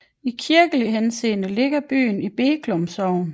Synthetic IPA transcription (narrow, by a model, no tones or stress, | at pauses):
ikʰiɐɡ̥əliɦense̝̰ːnəle̝ɡ̥ɐb̥y̰ːnib̥e̝̰ːɡ̥ʰlɔmsɒʊ̰n